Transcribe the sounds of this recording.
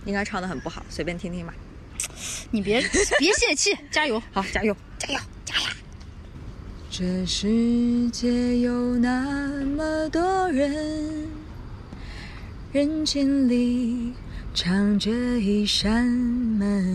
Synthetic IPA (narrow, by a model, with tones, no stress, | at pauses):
i˥ŋka˥ɪʈ͡ʂʰɑ˥˩ŋd̪ə˧˨xə˨˩npu˥˩xɑ˨˩˦ʊswe˧˥pʲjɛ˥nt̪ʰi˥ŋt̪ʰi˥ŋma˧ | ni˨˩pjɛ˧˥pjɛ˧˥ɕjɛ˥˩t͡ɕʰi˥˩t͡ɕja˥jo˧˥ʊxɑ˧˥ʊt͡ɕja˥jo˥˩ʊt͡ɕja˥jo˥˩ʊt͡ɕja˥ja˥˩ | ʈ͡ʂə˥˩ʂɻ̩˧˥˩t͡ɕjɛ˥jo˨˩ʊna˥˧mə˨t̪wɔ˥ɻə˧˥ | ɻə˧˥nt͡ɕʰi˥nli˨˩ | ʈ͡ʂʰɑ˧˥ŋt͡ɕɛ˥i˧˩ʂə˥nmə˧˩n